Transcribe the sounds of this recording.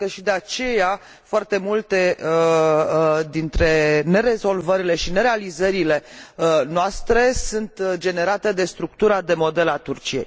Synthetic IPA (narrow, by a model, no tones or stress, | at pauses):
kəʃid̪e̞at͡ʃe̞ja | foart̪e̞mult̪e̞ | d̪int̪ɾe̞ne̞ɾe̞zo̞lvəɾile̞ʃine̞ɾe̞alizəɾile̞noast̪ɾe̞sunt̪d͡ʒe̞ne̞ɾat̪e̞d̪e̞st̪ɾuk̚t̪uɾad̪e̞mo̞d̪e̞lat̪urt͡ʃije̞̰j